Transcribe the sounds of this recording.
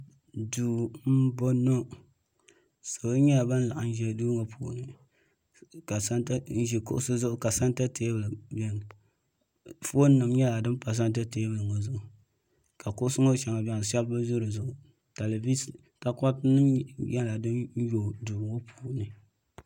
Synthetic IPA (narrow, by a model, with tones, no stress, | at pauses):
duː˨m̩˦bo˦no˦ | sa˨ba˦ɲɛ˦la˨ba˦n˦la˨ʔa˨n̩˦ʒɛ˨duː˦ŋo˨pʰṵː˨nɨ˨ | ka˨sa˦nta˦n̩˦ʒi˨kʊ̰˦ʔʊ˦sɨ˦zʊ˦ʔʊ˦ka˨sa˦n˦ta˦tʰe˦bɨ˨lɨ˨bɛ˨n˨ | fo˦nɨ˨mɲɛ˦la˨dɨ˦mpa˨s̬a˦n˦t̬a˦te˦bɨ˨lɨ˨ŋo˨zʊ˦˨ʔʊ˨ | ka˨kʊ˦ʔʊ˦sɨ˦ŋo˦t͡ʃɛ˨ŋa˨bʲɛ˨ŋ˨ʃɛ˦bba˦zʊ˦ɾɨ˨zʊ˨ʔʊ˨ | ta˨le˨vi˦s | ka˨ka˦tnɨ˦mjɛ˦la˨dɨ˦n˦jo˨duː˨ŋo˦pʰuː˨nɨ˨